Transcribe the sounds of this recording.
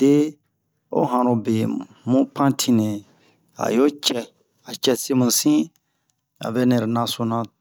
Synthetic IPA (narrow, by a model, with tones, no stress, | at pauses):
d̥e˦ | o̰˦ɦã˨ɾõ˧be˨ | mũ˦pʰã˦tʰĩ˧nɛ̃˨ | a̰˨jo˦t͡ʃɛ˧ | a˨t͡ʃɛ˧se˦mũ˨sĩ˦ | a̰˨βɛ˦nɛ̃˨ɾnã˧so˧nã˧